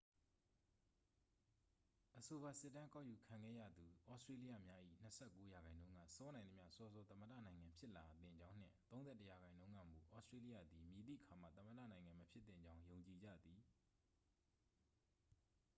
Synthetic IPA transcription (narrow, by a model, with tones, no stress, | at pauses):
ʔəso˨ba˨sɪ˦˨tːã˦ka˦˨ju˨kʰã˨ŋɡɛ̰˦˨jä̰˦˨d̪u˨ʔɔ˦stɹe˦li˦ja̰˦˨mja˦ʔḭ˦˨n̥əsʰɛ˦˨kːo˦ja˨ɡã˨ɪ̃nõ˦ʊ̃ŋɡä̰˦˨sɔ˦nã˨nd̪ə˦mja̰˦˨sɔ˦zɔ˦t̪ə̃˦mə˨dä̰˦˨nã˨ɪ̃ŋã˨mpʰjɪ˦ʔla˨t̪ɪ̰̃˨ɲd͡ʑã˦ʊ̃n̥ɪ̰̃˦˨t̪õ˦zɛ˦˨təja˨ɡã˨ɪ̃ndõ˦ʊ̃ŋɡä̰˦˨mṵ˨ʔɔ˦stɹe˦li˦jä̰˦˨d̪i˨mji˨d̪ḭ˦˨ʔəkʰa˨mä̰˦˨t̪ə̃˦məda̰˦˨nã˨ɪ̃ŋã˨məpʰjɪ˦t̪θɪ̰̃˦˨ɲd͡ʑã˦ʊ̃jõ˨ʊ̃ɲt͡ɕi˨d͡ʑä̰˦˨d̪ði˨